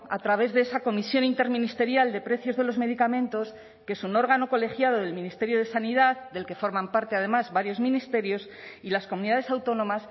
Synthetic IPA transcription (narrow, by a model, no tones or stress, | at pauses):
a̰t̪ɾaβ̞e̞zðeesako̞misjo̞nint̪e̞ɾmĩnist̪e̞ɾjald̪e̞pɾe̞θjo̞zðe̞lo̞zme̞ðikamẽ̞nt̪o̞s | keesuno̞ɾɣano̞ko̞le̞xjað̞o̞ðe̞lmĩnist̪e̞ɾjo̞ð̞e̞saniðaðd̪e̞lke̞fo̞ɾmampaɾt̪e̞að̞e̞mazβaɾjo̞zmĩnist̪e̞ɾjo̞s | ilaskomuniðaðesawt̪o̞nõ̞mas